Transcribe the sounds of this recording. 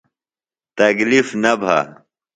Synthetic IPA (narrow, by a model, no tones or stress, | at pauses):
t̪ɐklifnɐbʱa̰